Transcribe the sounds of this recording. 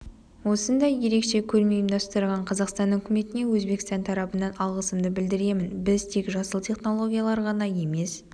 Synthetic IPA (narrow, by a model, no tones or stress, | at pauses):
wo̞sənd̪ɑjje̞ɾe̞kʃe̞kʲʰɵɾmejəmd̪ɑst̪əɾʁɑɴqʰɑzɑqst̪ɑnʏkʲɪme̞t̪ɪne̞wɵzbe̞kst̪ɑnt̪ʰɑɾɑpənɑnɑlˠʁəsəmd̪əbɪld̪ɪɾe̞mɪnbɪzt̪ʰe̞kʒɑsəlˠt̪ʲʰe̞χno̞lˠo̞ɡʲijalˠɑɾʁɑnɑje̞me̞s